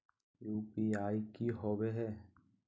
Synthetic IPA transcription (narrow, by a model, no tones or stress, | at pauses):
juːpiaːikiɦoːweɦɛː